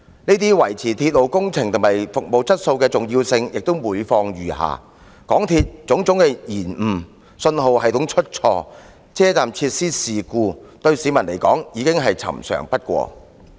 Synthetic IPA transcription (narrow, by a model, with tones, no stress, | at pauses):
niː˥t̪̬iː˥wɐ˨˩jt͡sʰiː˨˩t̪ʰiː˧t̚lo˨˩wkʊ˥ŋt͡sʰɪ˨˩ŋt̪ʰʊ˨˩mhɐ˨jfʊ˨k̚mo˨wt͡sʰɐ˥t̚so˧wkɛː˧t͡sʊ˨ŋjiː˧wsɪ˧ŋjʔɪ˨k̚t̪ʊ˥wmuː˨˥˧jfɔː˧ŋjyː˨ɦa̰ː˨ | kɔ̰ː˨˥ŋt̪ʰiː˧t̚t͡sʊ˨˥ŋt͡sʊ˨˥ŋkɛ˧jiː˨˩nm̩˨˩ | sɵ˧nɦo˨whɐ˨jt̪ʊ˨˥ŋt͡ʃʰɵ˥t̚t͡sʰɔː˧ | t͡sʰɛː˥t͡saː˨mt͡sʰiː˧t̚siː˥siː˨kuː˧t̪ɵ˧ɥsiː˨˥mɐ˨˩nle˨˩jkɔː˨˥ŋjiː˨˧kɪ˥ŋɦɐ˨jt͡sʰɐ̰˨˩msœ̰ː˨˩ŋpɐ˥t̚kʷɔ̰ː˧